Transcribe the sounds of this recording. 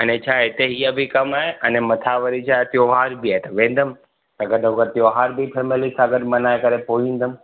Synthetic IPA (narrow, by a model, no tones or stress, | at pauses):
ɐnet͡ʃʰaːɦɪt̪eɦijəbʱikɐmaːɦeʔɐnemɐt̪ʰaʋəɾit͡ʃʰaːt̪ɪjoɦaːɾbʱiaːet̪ɐʋẽːn̆d̪əm | t̪ɐɡɐɗokət̪ɪjoɦaːɾbʱipʰeːmɪlisaːɡəd̪mɐnaːekɐɾepoːĩːn̆d̪əm